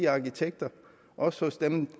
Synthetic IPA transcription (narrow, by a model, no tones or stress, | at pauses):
iɑ̈kit͡sʰeɡ̥̚d̥ɐ | ʔɒ̽shosd̥em